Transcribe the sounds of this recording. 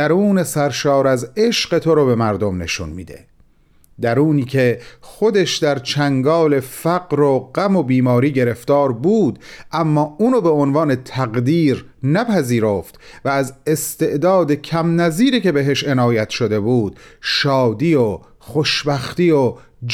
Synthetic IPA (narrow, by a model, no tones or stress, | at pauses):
æɾuːne̞sæɾʃɒːɾæze̞ʃɢe̞t̪ʰoɾobe̞mæɾd̪o̞mne̞̰ʃṵnmḭːd̪e̞̰ | d̪æɾuːniːkʰe̞xo̞d̪eʃd̪æɾt͡ʃʰæŋɡɒːle̞fæɡɾoɢæmo̞biːmɒːɾiːɟe̞ɾe̞ft̪ɒːɾbuːd̪ʔæmːɒːʔuːnobeonvɑːne̞t̪ʰæɣd̪iːɾ | næpʰæziːɾoːft̪væːze̞st̪e̞ʔd̪ɒːd̪e̞cʰæmnæziːɾiːce̞be̞ɦe̞ʃe̞nɒːjæt̪ʰʃo̞d̪e̞buːd̪̥ʃɒːd̪iːo | χoʃbæxt̪iːjo | d͡ʒ